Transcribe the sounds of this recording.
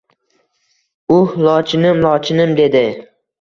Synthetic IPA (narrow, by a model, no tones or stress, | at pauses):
ʊhlˠɒt͡ʃʰɪnɪmlˠɒt͡ʃʰɪnɪmd̪e̞d̪ɪ